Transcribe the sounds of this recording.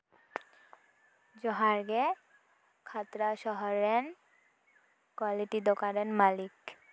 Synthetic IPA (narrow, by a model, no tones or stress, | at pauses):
d͡ʑɔɦaɾɡe | kʰat̪ɾaʃɔɦɔɾen | kwaliʈid̪okaɾenmalik